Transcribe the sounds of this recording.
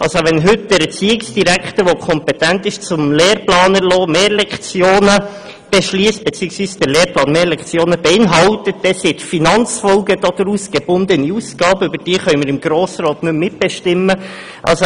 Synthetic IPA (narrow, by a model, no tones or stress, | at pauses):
ʔɑlsoʋɛnɦʏtd̥ɛɾɛt͡siːɪksd̥iɾækχt̪əɾʋokʰɔmpɛtæntɪʃt͡sʊmleːɾplɑːnəɾlɔːmeːlɛkχt͡sjoːnə | b̥ɛʃliːst̚b̥et͡siːəksʋiːsd̥əɾleːɾplɑːnmeːɾlɛkt͡sjoːnəbeɪnɦɑlt̪ət̚dɛsitfinɑnt͡sfɔlɡəd̥ɔd̥̪ɾuːsɡ̥eb̥ʊnd̪əniusɡ̥ɑːbəʏbəɾd̥iːχœʏmɪɾɪmɡɾoːsɾɑːtnʉmːɪt̚b̥ɛʃtɪmːə | ʔɑ̰lso